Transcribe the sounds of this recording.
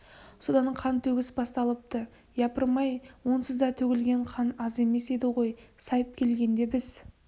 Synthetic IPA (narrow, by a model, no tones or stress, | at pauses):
so̞d̪ɑɴqʰɑnt̪ʰɵɡʲɪsbɑst̪ɑlˠəp̚t̪ə | jɑpəɾmɑjwo̞nsəzd̪ɑt̪ʰɵɡʲɪlɡʲe̞ɴqʰɑnɑze̞me̞se̞d̪ɪʁo̞jsɑjəp̚kʲʰe̞lɡʲe̞nd̪e̞bɪz̥